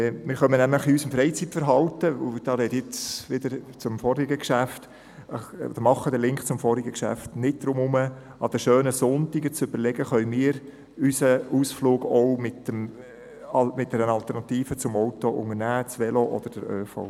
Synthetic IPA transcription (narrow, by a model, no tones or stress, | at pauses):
mɪɾχœmənæmləχiysəmfɾɛɪt͡sitfəɾɦɑltəd̥ɑɾɛtjɪt͡sʋɪd̥̪əɾt͡sʊmfɔɾɪɡəkʃæft | ɔ̰d̥əɾmɑχːəd̥̪əlɪŋkχt͡sʊmfɔɾɪɡəkʃæ̰ftnɪt̚d̪̥ɾʊmʊmə | ɑd̥əʃøːnəsʊntɪɡət͡sʏb̥əɾlɛɡəχœʏmiːɾ | ysəuːsfluːɡowmɪtəm | ɑmɪt̚d̥ɛɾənɑlt̪ɛɾnɑtiːfət͡sʊmɔʊtoʔʊŋəɾnæːt͡sʋɛloʔɔ̰d̪̥əɾd̥əɾøːfo̰